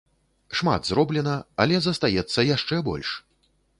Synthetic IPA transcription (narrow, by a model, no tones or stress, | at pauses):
ʂma̰d̪zrɔblʲɛnɐɐ̰lʲɛzɐst̪ajɛt̪sːɐjaʂt͡ʂɛbɔ̰lʲʂ